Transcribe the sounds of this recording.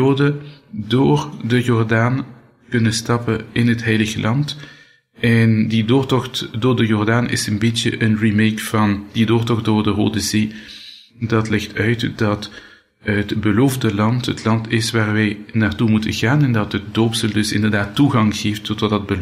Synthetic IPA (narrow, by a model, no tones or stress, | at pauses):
oːdədoːrdəjɔrdaːn | kɵnənstɑpəɪnɦətɦɛjləɣəlʔɑnt | ɛndidoːrtɔxtdoːrdəjɔrdaːnʔɪ̰sənbitjə̰ʔənrimejkfɑnd̥idoːrtɔχdoːrdəro̰ːdəzeː | dɑtlɪxtœɥtdɑt | ɦətbəloːvdəlɑntɦətlɑntɪsʋaːrʋɛjnaːrtumutə̰nɣaːnɛndɑtət̚doːpsəlˠdɵsɪ̰ndərdaːtːuɣɑŋɣeːftːɔtɑtdɑd̚bə